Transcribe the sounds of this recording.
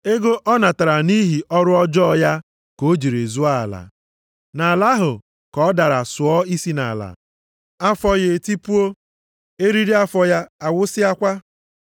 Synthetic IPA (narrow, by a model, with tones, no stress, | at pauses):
e˦ɡo˦ʔɔ˦na˨ta˨ɾa˨ni˦ɦi˨ʔɔ˦ɾʊ˦ɔ˦d͡ʒɔ˦˨ja˦ | ko˨˦d͡ʒi˨ɾe˨zu˦a˦a̰˨la̰˨ | na˨la˦ɦʊ˨ | kɔ˦da˨ɾa˨sʊ˨ɔ˦i˦si˦na̰˨la̰˨ | a˦fɔ˦je˨ti˦pu˦o˦ | e˦ɾi˦ɾi˦a˦fɔ˨ja˦a˨wʊ˦sɪ˦a˦kʷa˦